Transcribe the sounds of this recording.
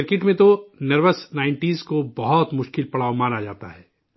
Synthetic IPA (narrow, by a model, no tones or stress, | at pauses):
ɪɾkɪʈmẽt̪onɐɾʋəsnaːɪ̃ɳʈiːzkobɐɦɔt̪mʊʃkɪlpɐɽaːʋmaːnad͡ʒaːt̪aɦɛː